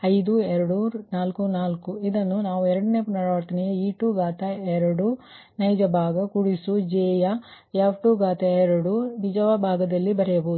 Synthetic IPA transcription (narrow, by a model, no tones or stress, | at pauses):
ɐjd̪uɛɾɐɽunaːlkunaːlkuid̪ɐnːunaːʋuɛɾɐɽɐne̞ːpunːɐɾɐʋɐɾt̪ɐnijeiːʈuːɡaːt̪ɐɛɾɐɽu | nɐjd͡ʒɐbʱaːɡɐkuɽisud͡ʒeːjɐ | jaːʋʈuːɡaːt̪ɐɛɾɐɽunid͡ʒɐʋɐbʱaːɡɐd̪ɐlːibɐɾɛjɐboːd̪u